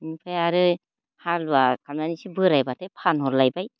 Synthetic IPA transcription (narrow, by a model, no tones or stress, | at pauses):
mipʰajaɾɯ | halakʰamnanisibɯɾajbatʰepʰanɦɔɾlajbaj